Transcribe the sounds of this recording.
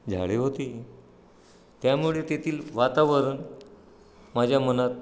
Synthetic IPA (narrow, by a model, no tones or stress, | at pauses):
d͡zʱa̰ɭeɦot̪iː | t̪jamuɭet̪et̪ʰiːlʋat̪aʋəɾən | mad͡ʑʱjamənat̪̚